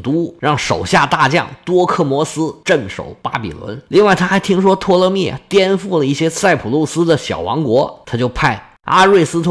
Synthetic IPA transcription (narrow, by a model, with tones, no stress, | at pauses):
t̪u˧˥ɻɑ˥˩ŋʂo˨˩ʊɕja˥˧t̪a˥˧t͡ɕjɑ̰˥˩ŋt̪wɔ˥kʰɤ˥˩mwɔ˧˥sɹ̩˥ʈ͡ʂə˥˩nʂo̰˨˩˦ʊpa˥pḭ˨˩lwə̰˧˥nli˥˧ŋwa˥˩ɪt̪ʰa˥xa˧˥ɪt̪ʰi˥ŋʂwɔ˥t̪ʰwɔ˥lɤ˥˧mjɛ̰˥˩t̪jɛ˥nfu˥˩lə˩i˥˩ɕjɛ˥sa˥˩ɪpʰu˨˩lu˥˩sɹ̩˥d̪ə˨ɕjɑ̰˨˩ʊwɑ̰˧˥ŋkwɔ˧˥t̪ʰa˥t͡ɕjo˥˧ʊpʰa˥˩ɪ | a̰˥ɻwe˥˩ɪsɹ̩˥t̪ʰ